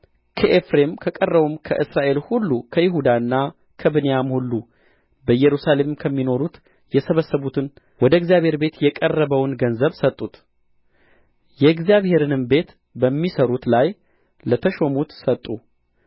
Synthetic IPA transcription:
kʰəʔefɾe̞mkʰəkʼərːəβumkʰə̰ʔɨsɾaʔe̞lhulːukʰəjɪɦud̪aɨnːa | kʰəbɨnejamhulːu | bəjɛɾusale̞mmkʰəmːino̞ɾut̪ | jɛsəβəsːəβut̪ʰɨn | wɔd̪əɨɡzjaβhe̞ɾbe̞t̪jɛkʼərːəβəwnɡənzəβsət̪ʼːut̪ | jɛɡzjaβhe̞ɾɨnɨmbe̞t̪ | bəmːisəɾut̪laj | lət̪ʰəʃo̞mut̪sət̪ʼːu

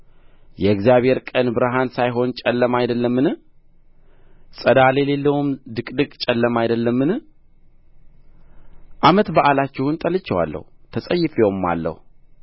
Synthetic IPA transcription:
jɛɨɡzjaβhe̞ɾkʼənbɨɾɦansajɦo̞nt͡ʃʼɛlːəmajd̪əlːəmːɨnɨ | sʼəd̪ale̞le̞lːəwumd̪ɨkʼd̪ɨkʼt͡ʃʼɛlːəmajd̪əlːəmːɨnɨ | ʔamət̪baʔalat͡ʃːɪhunt̪ʼəlɨt͡ʃːɛwa̰lːə̰hut̪ʰəsʼəjːɪfeomːa̰lːə̰hu

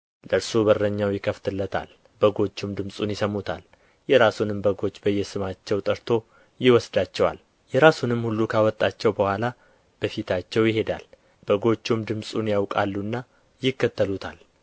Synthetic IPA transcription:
ləɾsubərːəɲːawjɪkʰəft̪ʰɨlːət̪ʰa̰l | bəɡo̞t͡ʃːumd̪ɨmsʼunjɪsəmːut̪ʰa̰l | jɛɾasunɨmbəɡo̞t͡ʃːbəjːɛsɨmat͡ʃːɛwt̪ʼəɾt̪ʰo̞ | jɪwɔsd̪at͡ʃːɛwa̰l | jɛɾasunɨmhulːukʰawɔt̪ʼːat͡ʃːɛwbəhʷwʷala | b̥əfit̪ʰat͡ʃːɛwjɪɦe̞d̪a̰l | b̥əɡo̞t͡ʃːumd̪ɨmsʼunjawkʼalːunːa | jɪkːət̪ʰːəlut̪ʰa̰l

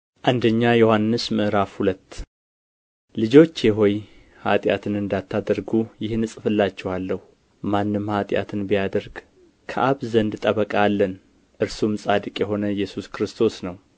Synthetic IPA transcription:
ʔand̪əɲːajo̞hanːɨsmɨʔɾafhulət̪ː | lɨd͡ʒo̞t͡ʃːjɛɦo̞j | ha̰t̪ʼja̰t̪ʰɨnɨnd̪at̪ʰːad̪əɾɡujɪhnɨsʼɨfɨlːat͡ʃːɛwalːəhu | manːɨmhat̪ʼja̰t̪ʰɨnbijad̪əɾɡ | kʰəʔaβzənd̪t̪ʼəβəkʼalːən | ʔɨɾsumsʼad̪ɨkʼjɛɦo̞nəjɛsuskɾɨst̪ʰo̞snəw

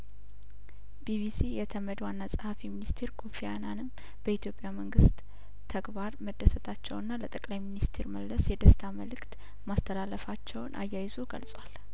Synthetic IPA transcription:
b̥ibisijɛt̪ʰəməd̪wanːasʼɨhafiminist̪ʰeɾɡufijananɨm | b̥əit̪ʰjo̞pʼːjaməŋɡɨst̪ʰː | əɡbaɾməd̪ːəsət̪ʼat͡ʃːɛwɨnːalət̪ʼəkʼlajminist̪ʰeɾməlːəsjɛd̪əst̪ʰaməlɨkt̪ | mast̪ʰəlalːəfat͡ʃːɛwnʔa̰jːajɪzoɡə̰lsʼwal

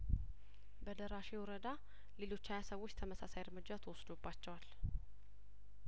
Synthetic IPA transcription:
bəd̪əɾaʃewʊɾəd̪a | le̞lo̞t͡ʃːajasəwːot͡ʃːt̪ʰəməsasajɪɾmɨd͡ʒːat̪ʰəwɔsd̪obːat͡ʃːɛwal

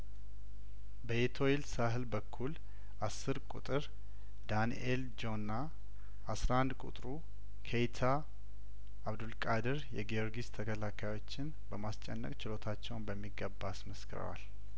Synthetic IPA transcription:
bəet̪ʰo̞elsaɦɨlbəkʰːul | ʔasːɨɾkʼṵt̪ʼɨɾ | d̪aniʔeld͡ʒo̞nːa | asɾaand̪kʼṵt̪ʼɾu | kʰejt̪ʰa | βd̪ulkʼad̪ɨɾjɛɡijo̞ɾɡist̪ʰəkʰəlakʰajwo̞t͡ʃːɪn | bəmast͡ʃʼɛnːə̰kʼt͡ʃɪlo̞t̪ʰat͡ʃːɛwnbəmːiɡːəbːasməskʰɨɾə̰wa̰l

